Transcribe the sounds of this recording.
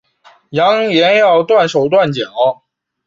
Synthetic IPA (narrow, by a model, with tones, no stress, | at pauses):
jɑ˧˥ŋjɛ˧˥njɑ˥˧ʊt̪wa˥˩nʂo˨˩ʊt̪̬wa˥˩nt͡ɕjɑ˨˩˦